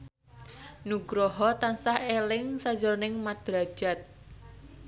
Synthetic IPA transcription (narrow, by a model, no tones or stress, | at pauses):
nuɡɾɔɦɔt̪ansahelɪŋsad͡ʒɔɾnɪŋmad̪̥ɾḁd͡ʒ̥a̤t̪̚